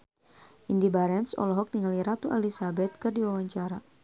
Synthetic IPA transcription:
ʔindibaɾɛnsɔ̰lɦɔk̚niŋaliɾat̪uʔalisabɛt̪̚kɨrdiwawaɲt͡ʃaɾa

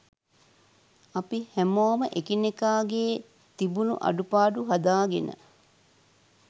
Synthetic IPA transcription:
ɐpihæmoːməʔekinekaːɡeː | t̪ibunṵʔɐ̰ɖupaːɖuɦɐd̪aːɡenə̰

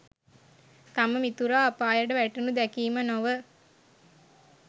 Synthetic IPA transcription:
t̪aməmit̪uɾaːpaːjəɖəʋæʈənud̪ɛkiːmənoʋə

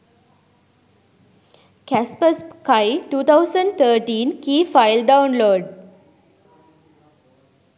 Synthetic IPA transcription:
kæspəskaɪʈuːt̪ʰaʊsə̃ɳɖt̪ʰəːʈĩːnkiːfaɪlɖãʊ̃nloːɖ

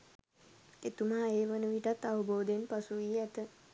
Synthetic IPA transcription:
et̪umaeːʋənəʋiʈat̪ːaʋəboːd̪enpasuʋiːɛt̪ə

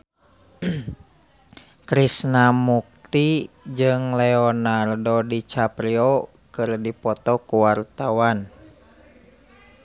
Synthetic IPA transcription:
kɾisnamuk̚t̪id͡ʒɨŋlɛɔnardodit͡ʃapɾiɔ | kɨrdipɔt̪ɔkuwart̪awan

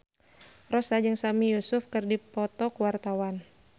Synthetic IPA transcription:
rɔsad͡ʒɨŋsamijusʊfkɨrdipɔt̪ɔkəwart̪awan

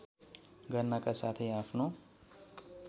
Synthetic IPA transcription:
ɡʌɾnakasaːt̪ʰiaːpʰno

